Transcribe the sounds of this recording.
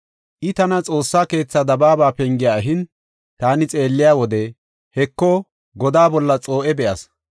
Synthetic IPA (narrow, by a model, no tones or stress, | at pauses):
ʔɪt̪ɐnɐt͡sʼo̞ːsːaːke̞ːt͡sːad̪ɐbaːbaːpɛŋɡɪjaːɦɪn | t̪aːnɪt͡sʼe̞ːlːɪjaːwɔd̪ɛ | hɛkːɔ | ɡɔd̪aːbɔlːɐt͡sʼo̞ːʔɛbɛʔɐs